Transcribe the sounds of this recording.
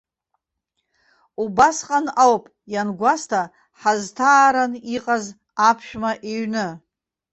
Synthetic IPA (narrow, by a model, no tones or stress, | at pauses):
ubasqʼanawpʼ | janɡʷastʰa | ħaztʰaːɾaniqʼaz | apʰʃᶣmaʔeɥnɨ